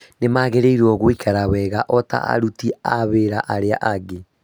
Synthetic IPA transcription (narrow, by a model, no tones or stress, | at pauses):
nemaɣeɾeiɾwɔɣoikʰaɾawɛɣaʔɔta̰a̰ɾutiaβeːɾaʔaɾeaʔaɡe